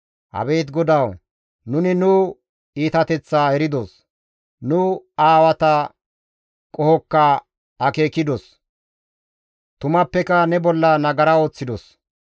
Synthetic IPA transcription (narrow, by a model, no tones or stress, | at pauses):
hɐ̰be̞ːt̪ɡɔd̪ɐw | nʊnɪnʊ | iːt̪ɐt̪ɛt͡sːaːɛɾɪd̪os | nʊaːwɐt̪ɐ | kʼɔhɔkːɐ | ɐke̞ːkɪd̪os | t̪ʊmɐpːɛkɐnɛbɔlːɐnɐɡɐɾɐo̞ːt͡sːɪd̪ɔs